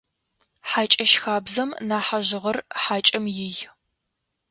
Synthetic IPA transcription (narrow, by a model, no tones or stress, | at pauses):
ħaːt͡ʃʼɐʃxaːbzɐmnaːħaʑɪʁɐrħaːt͡ʃʼɐmjɪj